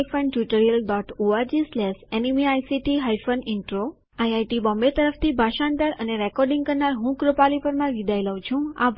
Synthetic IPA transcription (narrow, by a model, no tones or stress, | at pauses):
fʰənɖʈjuʈəɾijəlɖɔʈoaɾd͡ʒislɛsɛnimiajsiʈiɦajfəniɳʈɾo | ajajʈibɔ̃mbet̪əɾəft̪ʰibʱaʃand̪aɾəneɾɛkɔɾɖĩŋɡkəɾnaɾɦũkɾopalipəɾmãɡid̪ʱajləʋ̃t͡ʃʰũa̰